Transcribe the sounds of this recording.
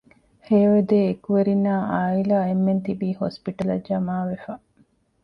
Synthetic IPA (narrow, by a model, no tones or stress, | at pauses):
heːʋed̪eːkuʋeɾinːaːʔaːilaːemːent̪ibiːhospiʈɐlɐ̰d͡ʒɐmaːʋefɐ